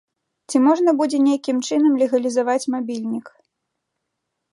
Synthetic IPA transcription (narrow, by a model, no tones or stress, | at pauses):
t͡sʲimɔʐnɐbud͡zʲɛnʲejkʲimt͡ʂɨn̪ɐmlʲɛɣɐlʲizavat͡sʲmabʲilʲnʲik